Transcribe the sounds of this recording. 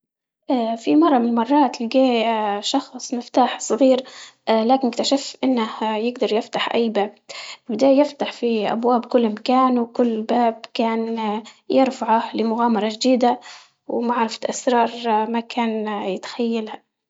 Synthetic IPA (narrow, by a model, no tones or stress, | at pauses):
ʔafimɑrˤːɑmɪnmɑrˤːɑːt̪lɪɡeːʃɑxsˤmɪft̪aːħsˤɨɣiːɾlaːkɪnkt̪aʃafʔɪnːahjɪɡd̪ɑɾˤjɪft̪aħʔa̰jːbaːb̚bɪd̪aːjjɪft̪aħfiʔa̰bwaːbkʊlːmakaːnwkʊlːbaːbkaːnjɪɾfaʕahlɪmʊɣaːmɑɾˤɑʒd̪iːd̪a | wmaʕɾˤɑfḁt̪ʔasɾˤɑːɾˤmakaːnjɪt̪xajːalha